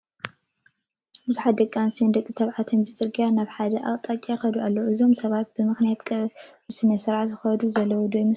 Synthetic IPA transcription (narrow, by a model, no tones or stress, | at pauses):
bɨzuħat̪d̪ɐkʼːansind̪ɐkʼit̪ʰɐβʕat̪ʰonbɨt͡sʼɨɾɡijanaβħad̪ɐʔat̪ʼat͡ʃʼajxɐd̪ualːɐɨzo̞msɐβat̪̚bɨmɨxnijat̪kʼɐɨsɨnɐsɨɾaʕzɨxɐd̪uzɐlːɐwud̪ojmɨ